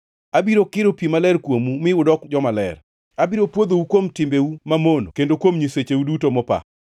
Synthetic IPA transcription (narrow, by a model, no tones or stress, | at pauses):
abiɾokɪɾopimalɛrkwomumɪʊdɔkd͡ʒɔmalɛ̰r | abiɾopwod̪owukwomtɪmbeumamonokendokwomɲiset͡ʃewudutomɔpa̰